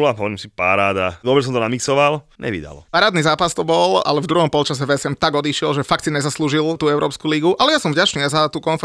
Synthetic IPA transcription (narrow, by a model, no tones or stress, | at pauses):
ɔlaɦɔʋɔɾiːmsipaɾaːd̪ad̪ɔbɾɛs̬ɔmt̪ɔnamiksɔʋalɲɛ̰ʋḭd̪a̰lɔ̰paɾaːd̪niːzaːpast̪ɔbɔla̰lɛvd̪ɾuɦɔmpɔlt͡ʃasɛvɛsɛmt̪aɡɔd̪iʃɪɛlʒɛfakt̪siɲɛzasluːʒilt̪uːɛʊɾʔɔːpskuːliɡuʔalɛjasɔmvɟat͡ʃniːazat̪uːkɔnfɛ